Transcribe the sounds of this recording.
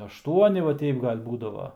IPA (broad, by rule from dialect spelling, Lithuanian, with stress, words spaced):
ɐʃˈtuɔnʲɪ ʋɐ ˈtʲɛɪp ˈɡɐlʲ ˈbuːdɐʋɐ